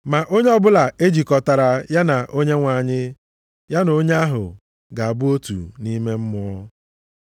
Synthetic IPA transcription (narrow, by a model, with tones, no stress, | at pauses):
ma˨ʔo˦ɲe˦ɔ˦bʊ˦la˨e˦d͡ʒi˨kɔ˨ta˨ɾa˨ja˦na˨ʔo˦ɲe˦ŋʷa˨ɲɪ˦ | ja˦no˦ɲ˦a˦ɦʊ̰˨ | ɡa˨a˨bʊ˦o˦tṵ˨ni˦me˦m̩˦mʊ˦ɔ˦